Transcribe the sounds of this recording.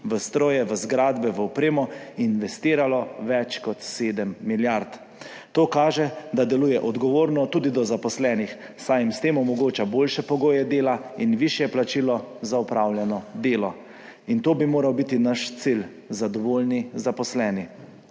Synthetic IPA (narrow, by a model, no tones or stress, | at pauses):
ʋəst̪ɾoːjɛʋəzɡɾaːd̪bɛʋəɔpɾeːmɔinʋɛst̪iːɾalɔʋɛt͡ʃkɔt̪seːd̪əmːiljaɾt̪ | t̪oːkaːʒɛd̪ad̪ɛluːjɛʔɔd̪ɡɔʋoːɾnɔt̪uːd̪id̪ɔzapɔslɛːnix | sajimst̪eːmɔmɔɡoːt͡ʃaboːlʃɛpɔɡoːjɛd̪eːlainʋiʃjɛplat͡ʃiːlɔzaɔpɾawljɛnɔd̪eːlɔ | int̪oːbimoːɾawbit̪inaʃt̪sil | zad̪ɔʋoːlnizapɔslɛːni